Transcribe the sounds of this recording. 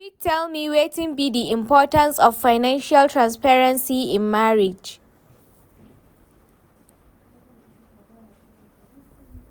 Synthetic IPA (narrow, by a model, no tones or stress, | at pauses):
fik̚tʰɛlmiwetɪ̃ŋbidiɪ̃mpʰɔtãnsɔfːaɪnãnʃaltʰɹãnspɛɹɛ̃nsiɪ̃nmaɹɪd͡ʒ